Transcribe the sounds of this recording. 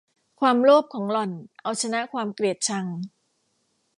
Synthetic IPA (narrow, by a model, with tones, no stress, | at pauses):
kʰwaː˧mloː˥˩p̚kʰɔː˩˦ŋlɔ˨˩nʔa˧wt͡ɕʰa˧na˦˥ʔkʰwaː˧mkɾi˨˩ət̪̚t͡ɕʰa˧ŋ